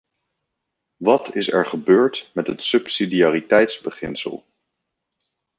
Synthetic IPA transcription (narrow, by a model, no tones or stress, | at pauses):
ʋɑtʰɪsɛ̰ɹχəbøːɹtmɛtɦətsɵpsidiaːritɛjtzbəχɪ̰nsə̰lˠ